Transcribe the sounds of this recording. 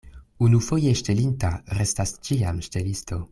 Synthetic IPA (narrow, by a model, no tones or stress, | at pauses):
unufo̞jeʃtelintaɾestast͡ʃiamʃtelisto̞